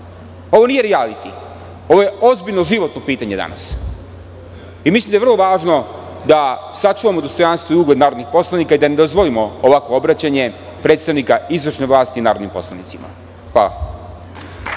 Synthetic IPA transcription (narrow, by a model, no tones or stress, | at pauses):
o̞ʋo̞nije̞ɾialit̪i | o̞ʋo̞je̞ozbiʎnoʒiʋo̞t̪nopiːt̪aɲe̞d̪a̰na̰s | imislimd̪ajerlˠo̞ʋaːʐno̞ | d̪asat͡ʂuʋamo̞d̪o̞st̪o̞janst̪ʋoiuːɡle̞d̪naːɾo̞d̪nixpo̞slˠanikaid̪aned̪ozʋo̞limooʋakʋoobɾat͡ɕaɲe̞ | pɾet̪st̪aʋnikaizʋr̩ʂneʋlˠaːst̪iːnaːɾo̞d̪nimpo̞slˠanit̪sima̰ | xʋalˠa̰